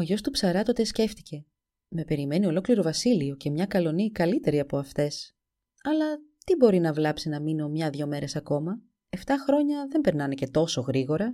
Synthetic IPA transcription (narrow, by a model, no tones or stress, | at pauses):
o̞ʝo̞st̪upsɐɾɐt̪o̞t̪esce̞ft̪i̥ce̞ | me̞pe̞ɾime̞nio̞lo̞kliɾo̞vɐsilio̞ce̞mɲɐkɐlo̞nikɐlit̪e̞ɾiɐpo̞ɐft̪e̞s | ɐlɐt̪ibo̞ɾinɐvlɐpsinɐmino̞mɲɐðʝo̞me̞ɾe̞sɐko̞mɐ | e̞ft̪ɐxɾo̞ɲɐðe̞mbe̞ɾnɐne̞ce̞t̪o̞so̞ɣɾiɣo̞ɾɐ